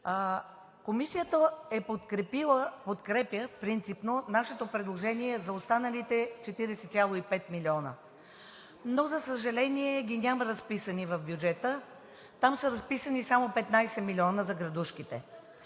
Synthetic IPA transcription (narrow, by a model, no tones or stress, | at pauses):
komisijət̪əɛpot̪kɾɛpilˠəpot̪kɾɛpjəpɾint̪sipnonaʃɛt̪opɾɛd̪lˠoʒɛniɛzɐost̪anəlit̪ɛt͡ʃɛt̪iɾɛsɛt̪sʲjalˠoipɛt̪miliɔnə̰ | nozɐsəʒɐlɛniɛɡʲinʲaməɾɐspisənivɐfbjud͡ʒɛt̪ə | t̪amsəɾɐspisənisamopɛt̪najsɛmilʲiɔnəzɐɡɾɐd̪uʃkit̪ɛ̰